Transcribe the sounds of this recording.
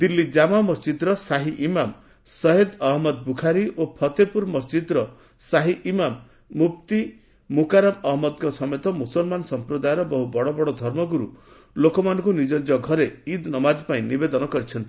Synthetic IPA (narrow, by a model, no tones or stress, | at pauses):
d̪ilːid͡ʒamamɔsd͡ʒid̪ɾɔsaɦiʔimam | sɔɦed̪ɔɦmɔd̪bukʰaɾiʔopʰɔt̪epuɾmɔsd͡ʒid̪ɾɔ | saɦiʔimamː | upt̪i | mukaɾamɔɦmɔd̪̚kɔsɔmet̪ɔmusɔlmansɔmpɾɔd̪ajɔɾɔbɔɦubɔɽɔbɔɽɔd̪ʱɔɾmɔɡuɾu | lokɔmanɔ̃ŋkunid͡ʒɔnd͡ʒɔɡʱɔɾeid̪nɔmad͡ʒɔpaĩnibed̪ɔnɔkɔɾit͡ʃʰɔnt̪i